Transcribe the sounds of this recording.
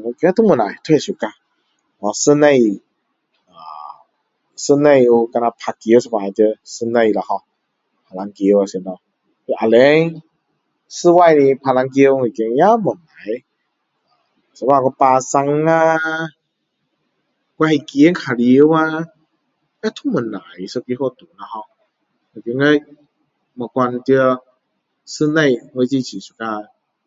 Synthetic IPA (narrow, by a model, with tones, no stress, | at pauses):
nɔ˧ki˧a˦t̪ʰɔ˦mu˧˨na̰˨jt̪ʰu˧a˧˨su˨ka˧ | ɔ˧sɨ˧na˧j | a̰ː˨ | sɨ˧na˧ju˧ka˧na˧˨pʰa˧ki˧˦wsa˧ma˨˩˨tə˧sɨ˧na˧˩jla˨˧kʰɔ˧ | pʰa˧˨la˧ŋki˧ə˧wa˧si˨˧˨nɔ˧ | ki˧˨ʔa˨˧˨lɛ˨˧˦ŋ | sɨ˧wa˧jni˧pʰa˧la˧ŋk̬i˧ə˧wŋi˧˨ki˧˦ŋja˦˨mɔ˨ŋa˨˦j | sa˧˦wa˧˨kɔ˧˦paː˧sa˧ŋːa˧ | kwa˧i˧˨ki˧˦ə˦nkʰa˨li˧ə˦˧wa˧ | ŋa˧˦t̪ʰu˥˧˦mə˨na̰˨˦jsɔ˧ki˧˦kʰɔ˧˨t̪u˨˦na˧˨hɔ˧ | ŋə˨˩ki˧˦ŋə˧j | ma˨˩kwa˧nt̪i˧ə˧ | sɨ˧na˧˩jŋə˧jt͡ɕi˧˨t͡ɕʰi˨˩su̥˧˩ka˧